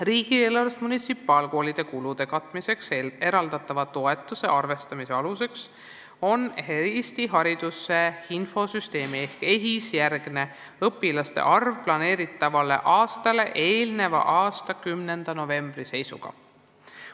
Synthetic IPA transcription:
riːɡ̥ielɑɾst̪munit̪sipːˑɑːlko̞ːlid̪̥e̞kulud̪̥e̞kɑt̪ːˑmise̞kse̞ɾɑld̪ɑt̪ːˑɑvɑt̪o̞e̞t̪ːˑuse̞̰ʔɑrve̞st̪ɑmise̞ɑluse̞ks | o̞nheist̪iɦɑɾid̪̥usːe̞info̞syst̪e̞ːmie̞hke̞ɦisjærɡ̥ne̞ | ɤpːilɑst̪e̞̰ʔɑrvplɑne̞ːɾit̪ːˑɑvɑle̞̰ʔɑːst̪ɑle̞ʔeːlne̞vɑ̰ʔɑːst̪ɑkymne̞nd̪̥ɑno̞ve̞mb̥rise̞jsṵɡ̥ɑ̰

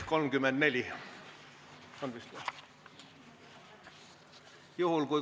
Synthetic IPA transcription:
kolmɡ̥ymend̪nelj | ɑnʋist̪uɑ | juhulkui

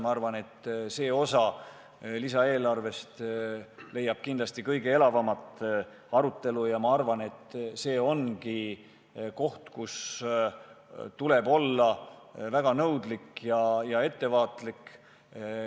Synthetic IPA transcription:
mɑɑrvɑne̞t̪ːse̞ːo̞sɑ | lisɑe̞ːlɑrve̞st̪ | le̞jːɑb̥kind̪lɑst̪ikɤjɡ̥e̞e̞lɑvɑmɑt̪ˑ | ɑɾut̪ːˑe̞lujɑmɑɑrvɑne̞t̪ːse̞ːo̞nki | ko̞ht̪kus | t̪ule̞bo̞lːɑvæɡ̥ɑnɤwd̪likjɑjɑe̞t̪ːe̞vɑːt̪lik

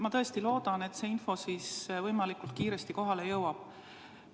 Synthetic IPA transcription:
mɑt̪ɤest̪ilo̞ːd̪̥ɑne̞t̪se̞ːinfo̞sisvɤjmɑlikult̪̚kiːɾe̞st̪iko̞ɦɑle̞jɤwɑb̥̚

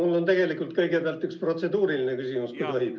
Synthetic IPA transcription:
mulːo̞nt̪eɡe̞likˑult̪̚kɤjɡepeæɑlt̪ːykspro̞t̪se̞d̪uːɾilinekysimuskut̪oi̥

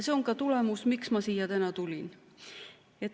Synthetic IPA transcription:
se̞o̞ŋkɑt̪ule̞musmiksmɑsiːjɑt̪ænɑt̪ulʲin | et̪ː

